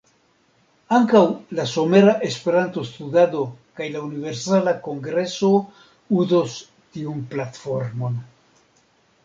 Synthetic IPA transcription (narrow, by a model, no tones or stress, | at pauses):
aŋkawlaso̞me̞ɾaʔe̞spe̞ɾanto̞st̪udado̞kajlaunive̞ɾsalako̞ŋɡɾe̞so̞ | uzos | tiunplatfo̞ɾmo̞n